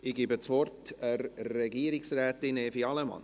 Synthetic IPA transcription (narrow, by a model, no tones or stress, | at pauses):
ɪɡ̥iːbət͡svɔrtərrɛɡiːɾɪksrɛːtɪneːfiɑlɛmɑ̰n